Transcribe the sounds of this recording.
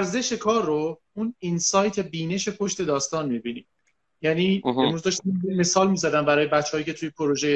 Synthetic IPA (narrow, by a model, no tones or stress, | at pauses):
æɾze̞ʃekʰɒːɾːo | uninsɒːjt̪ʰe̞biːne̞ʃe̞pʰo̞ʃt̪e̞d̪ɒːst̪ɒːnmibiːniːm | jæniːemuzd̪ɒʃt̪imeme̞sɒːlmiːzæd̪æmbæɾɒːje̞bætt͡ʃːeɒːjiːcʰe̞t̪ʰujepʰoɾoʒeje